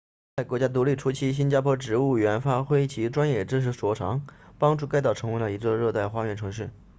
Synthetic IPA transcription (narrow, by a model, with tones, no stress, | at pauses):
t͡sa˥˩ɪkwɔ˧˥t͡ɕja˥t̪u˧˥li˥˩ʈ͡ʂʰu˥t͡ɕʰi˥ɕ̬i˥nt͡ɕja˥pʰwɔ˥ʈ͡ʂɻ̩˧˩u˥˩ɥɛ˧˥nfa˥xwe˥ɪt͡ɕʰi˧˥ʈ͡ʂwa˥njɛ˥˩ʈ͡ʂɻ̩˥ʂ̬ɻ̩˧˥swɔ˧˥ʈ͡ʂʰɑ˧˥ŋpɑ˥ŋʈ͡ʂu˥˩ka˥˧ɪt̪ɑ˥˩ʊʈ͡ʂʰɤ˧˥ŋwe˧˥lə˧i˧˥t͡sɔ˥˧ɻɤ˥˧t̪a˥˩ɪxwa˥ɥɛ˥˩ʈ͡ʂʰɤ˧˥ŋʂɻ̩˥˩